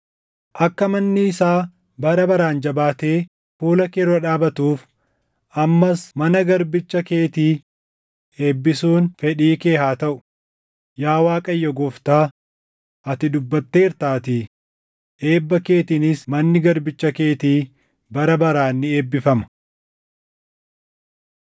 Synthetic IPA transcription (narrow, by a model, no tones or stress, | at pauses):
ʔɐkːɐmɐnːɪːsaː | bɐɾɐbɐɾaːnd͡ʒɐbaːt̪eː | fuːlɐkeːɾɐᶑaːbɐt̪uːf | ʔɐmːɐsmɐnɐɡɐɾbɪt͡ʃːɐke̞ːt̪iː | e̞ːbːɪsuːnfɛᶑiːke̞ːhaːt̪ɐʔʊ̥ | jaːwaːkʼɐjːɔɡɔft̪aː | ʔɐt̪ɪd̪ʊbːɐt̪ːe̞ːɪɾt̪aːt̪ɪ | ʔe̞ːbːɐke̞ːt̪inɪsmɐnːɪɡɐɾbɪt͡ʃːɐke̞ːt̪iː | bɐɾɐbɐɾaːnːɪe̞ːbːɪfɐmɐ̥